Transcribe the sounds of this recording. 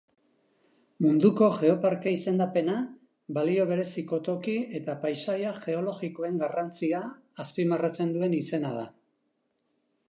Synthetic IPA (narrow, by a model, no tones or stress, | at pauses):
mund̪uko̞ʝe̞o̞paɾkeise̞nd̪ape̞na | balio̞β̞e̞ɾe̞siko̞t̪o̞kie̞t̪apajʃajaʝe̞o̞lo̞ɣiko̞e̞ŋɡarant͡siaːspimarat͡se̞nd̪ue̞nise̞nað̞a